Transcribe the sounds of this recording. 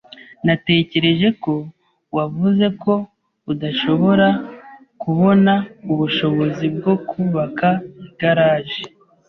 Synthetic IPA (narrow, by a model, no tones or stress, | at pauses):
nate̞ːce̞ɾe̞ʒe̞ko̞ | wavuze̞kʰo̞ | udaʃo̞βo̞ɾa | kuβo̞nauβuʃo̞βo̞zib̚ɡo̞kuβakaiɡaɾaːʒe